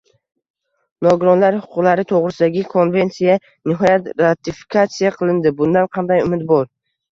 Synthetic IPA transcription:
nɒɡʊɾɒnlaɾhʊ̥qʰʊqlˠaɾɪt̪ʰoʁɾɪsɪd̪aɡʲɪkʰo̞nve̞nt̪sija | nɪɦɒjat̪ɾat̪ʰɪfi̥kʰat̪sijaqʰɨlˠɪnd̪ɪbʊnd̪anqʰɑnd̪ajʊmɪd̪bɒɾ

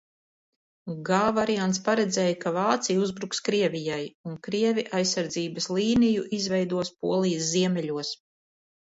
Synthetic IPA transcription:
ɡaːvaɾiant̪spaɾɛd̪zʲɛːjkavaːt̪sijuzbɾukskɾiɛvʲijajunkɾiɛvʲiʔajsːaɾd̪ziːbɐslˠiːnijuʔizvɛjd̪uɔspuɔlˠijəsziɛmʲɛʎʲuɔs

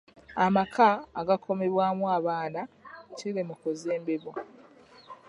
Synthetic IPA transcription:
amakʰaːɡakʰo̞me̞βwaːmwaːβaːnaciɾemukozeːmbeβo

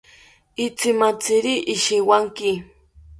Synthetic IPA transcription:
ɪt͡sɪmat͡sɪɾiʔːʃɪwaŋkɪ

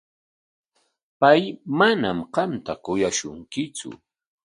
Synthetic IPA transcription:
pajmanamqɑmt̪akʊjaʃʊŋkɪt͡sʊ̰

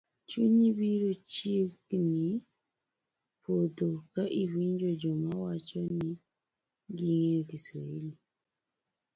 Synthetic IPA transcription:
t͡ʃuɲiβiɾut͡ʃikni | pʰotokaʔiviɲd͡ʒod͡ʒɔmawat͡ʃɔni | ɡiŋekisɔili

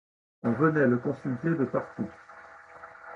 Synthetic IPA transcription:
ɔ̃vənɛləkɔ̃sylt̪ed̪əpaʁt̪u

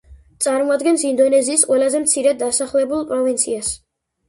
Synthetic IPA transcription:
t̪sʼaɾmɔad̪ɡɛnsind̪ɔnɛziːsqʼwɛlazɛmt̪sʰiɾɛd̪d̪ːasaχlɛbulˠpʼɾɔvint̪sʰias

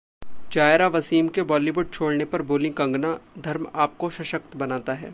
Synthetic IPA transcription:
d͡ʒaːɪɾaʋɐsiːmkebɔːliʋʊɖ̚t͡ʃʰoːɽnepɐɾboːlɪ̃ŋkɐ̃ŋɡnad̪ʱɐɾmaːp̚koʃɐʃəkt̪bɐnaːt̪aɦɛ̰ː

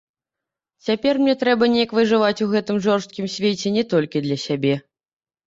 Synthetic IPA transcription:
t͡sʲapʲɛrmnʲɛt̪ɾɛbɐnʲejɐkvɨʐɨvat͡sʲuɣɛt̪ɨmʐɔrst̪̚kʲimsʲvʲet͡sʲɛnʲɛt̪ɔlʲkʲid̪lʲɐsʲabʲɛ

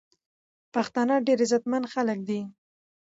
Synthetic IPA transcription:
paxt̪ɑnɑɖeɾezat̪manxalək̚d̪i

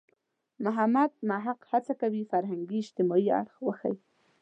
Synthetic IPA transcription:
mʊɦamad̪̚maɦaqhat͡sakawifaɾɦaŋɡiɪʃt̪ɪmɔia̰ɽxwəxa̰ji

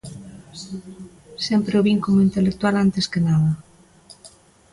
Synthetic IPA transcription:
sɛmpɾeoβiŋkomʊint̪elek̚t̪ualant̪eskenaðɐ

